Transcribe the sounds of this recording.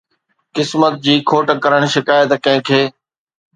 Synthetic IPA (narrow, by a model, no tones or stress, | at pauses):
kɪsmət̪̚d͡ʑiːkʰoːʈkəɾəɽ̃ʃɪkaːət̪kɐ̃ɦɪ̃kʰeː